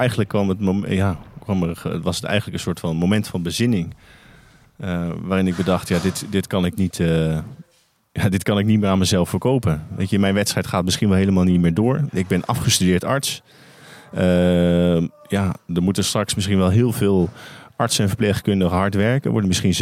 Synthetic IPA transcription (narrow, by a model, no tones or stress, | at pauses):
ɛjɣənləkːʋɑmətmojakʋɑməʋɑsətɛ̰jχənləkən̩sʊːɹtfɑnmowmɛntfɑnbəzɪnɪŋ | əʋaːrɪnɪɡ̚bədɑχtjaːdɪtdɪtkɑnɪknitə | jadɪtkɑnɪk̚nit̚mɪːɹaːnməzɛlˠffəɹkowpənʋḛjtəɪnmɛjnʋɛtstrɛjtχaːt̚mɪsχinʋɛlˠɦejləmaːlˠnitmɪːɹdʊːɹɪɡ̚bɪnʔɑ̰fχəstydɪːɹtɑɹts | ə | jadəmutəstrɑksmɪsχinʋɛlˠɦɪːlˠvɪːlˠʔɑɹtsɛnvəɹplejχkɵndəɣəɦɑɹtʋɛɹkə̰ʋɔ̰ɹdəmɪsχin